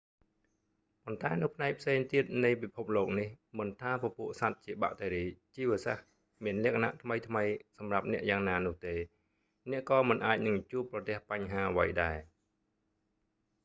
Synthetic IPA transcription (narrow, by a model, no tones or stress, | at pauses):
pont̪aɛnɨ̆wpʰnaɛk̚pʰseːŋt̪iət̪̚nɨjpipʰup̚loːk̚nihmɨnt̪ʰaːpɔ̆puəʔsat̪̚t͡ɕiəɓa̰ʔt̪ʰeːɾiːt͡ɕiːʋəəsah | miənlɛ̆əkʰana̰ʔt̪ʰməjt̪ʰməjsɑmrap̚nɛ̆əʔjaːŋnaːnʊ̆əht̪eː | nɛ̆əʔkɑːmɨnʔaːc̚nɨŋt͡ɕuəpːrɑt̪ɛ̆əhpaɲɦaːʔəʋə̰jɗaɛ